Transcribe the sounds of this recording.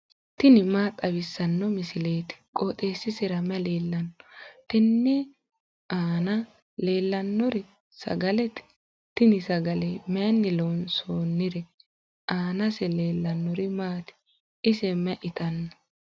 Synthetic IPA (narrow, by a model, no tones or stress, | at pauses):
t̪ɪnɪmaːt̪ʼɐβɪsːɐnːɔmɪsɪleːt̪ɪ̥kʼoːt̪ʼeːsːɪsɪɾɐmɛleːlːɐnːɔt̪ɛnːɛ | ʔaːnɐ | le̞ːlːɐnːɔɾɪ | sɐ̰ɡɐlɛt̪ɪ̥ | t̪ɪnɪsɐɡɐlɛmɛnːɪloːnsoːnːɪɾɛ | ʔaːnɐsɛle̞ːlːɐnːɔɾɪmaːt̪ɪ̥ | ʔɪsɛmɛʔɪt̪ɐnːɔ